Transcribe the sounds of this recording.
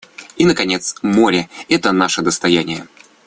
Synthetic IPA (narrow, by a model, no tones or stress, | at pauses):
inəkɐnʲet̪smoɾʲɪɛt̪ənaʂəd̪əst̪ɐjænʲɪjə